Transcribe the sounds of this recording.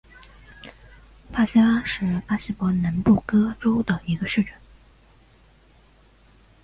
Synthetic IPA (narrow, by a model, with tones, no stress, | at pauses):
pa˥ɕi˥a˥ʂɻ̩˥˩pa˥ɕi˥˩pwɔ˧˥na˧˥npu˥˩kɤ˥ʈ͡ʂo˥ʊd̪ə˨i˧˥ɡə˧ʂɻ̩˥˩ʈ͡ʂə˥˩n